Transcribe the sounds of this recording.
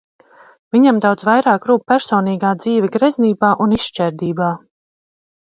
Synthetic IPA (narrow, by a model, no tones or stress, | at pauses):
viɲamd̪awd̪zvajɾaːkɾuːp̚pæɾsɔːniːɡaːd̪ziːvʲɛɡɾɛzniːbaːʔuniʃʃt͡ʃɛɾd̪iːbaː